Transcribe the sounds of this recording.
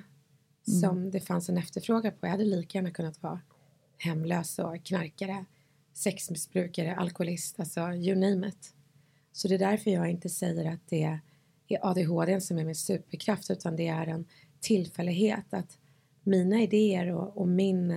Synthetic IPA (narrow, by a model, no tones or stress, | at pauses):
sɔmd̪ɛfansɛnɛft̪əɾfɾoːɡapʰɔjahad̪ːəliːkajæːɳakʰɵnːat̪vɑ̰ː | hɛmːløːsɔkʰnaɾkaɾə | sɛksmɪsbɾʉ̟ːkaɾəʔa̰lkʊʊlɪst̪alt̪sɔjɵniːmət̪ | sɔd̪ɛd̪æɾfœɾjɑːɡɪnt̪əsɛjːəɾat̪̚d̪̥ɛ | æɾʔɑːd̪eɦoːd̪ensɔmæɾmɛsʉ̟ːpəɾkʰɾaft̪ʉ̟ːt̪ʰand̪ɛæɾɛn | t̪ʰɪlfɛlːɪɡɦeːt̪ʰat̪ | miːnaɪd̪eːəɾɔɔmɪn